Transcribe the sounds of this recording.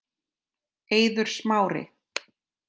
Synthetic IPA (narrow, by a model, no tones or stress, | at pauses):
eːjðʏɾ̥smaːwɾɪ̰